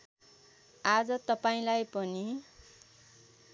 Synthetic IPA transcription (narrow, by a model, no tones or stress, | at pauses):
ad͡zʌt̪ʌpaĩlajpʌni